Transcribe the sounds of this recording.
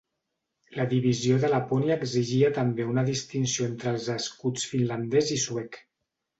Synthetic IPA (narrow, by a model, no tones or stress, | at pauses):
ləðiβizioðəlaponiaːɡziʒiət̪əmbeunəðist̪insioent̪ɾəlˠzəskut͡sfinland̪ɛzisuɛk